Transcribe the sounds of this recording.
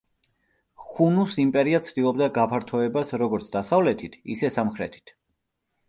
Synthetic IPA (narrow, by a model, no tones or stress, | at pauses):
χunusimpʼɛɾiat̪sʰd̪ilˠɔbd̪aɡapʰaɾt̪ʰɔɛbasɾɔɡɔɾt̪sʰd̪asavlɛt̪ʰit̪ʰḭsɛsamχɾɛt̪ʰi̥t̪ʰ